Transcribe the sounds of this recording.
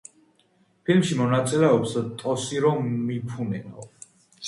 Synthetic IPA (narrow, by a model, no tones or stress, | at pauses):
pʰilmʃimɔnat̪sʼilɛɔpst̪ʼɔsiɾɔːipʰunɛna̰